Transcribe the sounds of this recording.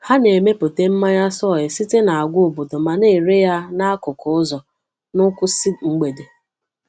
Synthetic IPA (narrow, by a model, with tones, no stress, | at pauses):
ha˦ne˨me˦po˨te˦m̩˦ma˦ɲa˦sɔ˦˨jɪ˨si˦te˦na˨a˨ɡʷo˨bo˨do˨ma˨ne˦˨ɾe˦ja˦na˦a˦kʊ˨kʊ˨˦ʊ˦zɔ˨ | nʊ˦kʷʊ˦si˦ŋ͡m̩˦ɡ͡be˨de˨